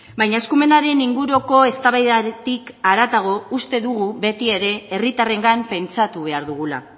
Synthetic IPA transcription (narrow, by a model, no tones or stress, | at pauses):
bajɲaeskume̞naɾe̞niŋɡuɾo̞ko̞e̞st̪aβajðat̪ikaɾat̪aɣ̞o̞ust̪e̞ðuɣuβe̞t̪ie̞ɾe̞ːrit̪are̞ŋɡampe̞nt͡sat̪uβe̞aɾðuɣ̞ula̰